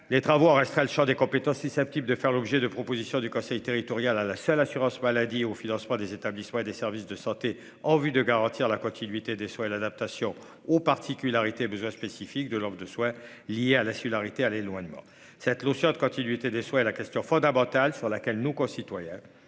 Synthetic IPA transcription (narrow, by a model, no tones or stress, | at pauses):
let̪χavoɑ̃ʁɛst̪χɛləʃɑ̃d̪ekɔ̃pet̪ɑ̃sysɛp̚t̪ibld̪əfɛʁlɔbʒɛd̪əpχɔpozisjɔ̃d̪ykɔ̃sɛjt̪eʁit̪ɔʁjalalasœlasyʁɑ̃smalad̪iofinɑ̃smɑ̃d̪ezet̪ablismɑ̃ed̪esɛʁvisd̪əsɑ̃t̪e | ɑ̃vyd̪əɡaʁɑ̃t̪iʁlakɔ̃t̪ʰinɥit̪ed̪eswɛ̃elad̪ap̚t̪asjɔ̃ | opaʁt̪ikʲylaʁit̪eebəzwɛ̃spesifikd̪əlɔd̪ʁəd̪əswɛ̃ | liealasiɡylaʁit̪ealelwaɲmɑ̰̃ | sɛt̪losjɔ̃d̪əkɔ̃t̪inɥit̪ed̪eswɛ̃ɛlakʲɛst̪jɔ̃fɔ̃d̪amɑ̃t̪alsyʁlakʲɛlnokɔ̃sit̪wajɛ̃